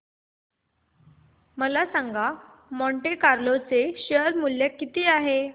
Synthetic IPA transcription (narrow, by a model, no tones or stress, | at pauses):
məlasaŋɡa | mɔɳʈekaɾlot͡seɕəɾmuljakit̪iːaɦe